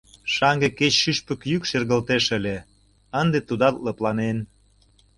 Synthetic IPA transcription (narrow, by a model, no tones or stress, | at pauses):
ʃɑŋɡeket͡ɕʃyʃpə̆kjykʃerɣə̆lt̪eʃə̆lʲe | ənd̪et̪ud̪ɑt̪lɤ̆plɑnen